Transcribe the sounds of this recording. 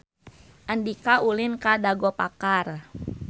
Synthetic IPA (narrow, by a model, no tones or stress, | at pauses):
ʔandikaʔulinkadaɡɔpa̰kar